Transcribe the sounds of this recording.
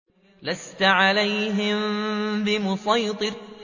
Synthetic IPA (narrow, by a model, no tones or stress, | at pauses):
last̪aʕalajɦɪmbɪmʊsˤɑjt̪ˤɨɾ